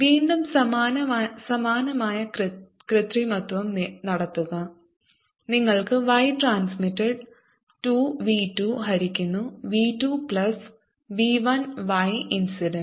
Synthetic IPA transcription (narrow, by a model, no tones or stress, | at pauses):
ʋiːnɖumsɐmaːnɐsɐmaːnɐmaːjɐ | krɨt̪rimɐt̪ʋɐmnɐɽɐt̪ːuɣɐ | niŋːɐɭkɨʋɐjʈraːnsmitːɐɖ | ʈuʋitːuɦɐɾikʲːunːuʋiːtːupɭɐs | ʋiʋɐnʋɐjinsiɖen